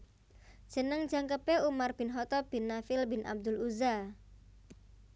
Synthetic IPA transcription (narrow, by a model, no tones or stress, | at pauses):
ʒ̥ə̤nəŋ̥d͡ʒaŋkəpeumarb̥ɪ̤nɦɔt̪ɔb̥inːafɪlbɪnʔa̰b̚d̪ʊluza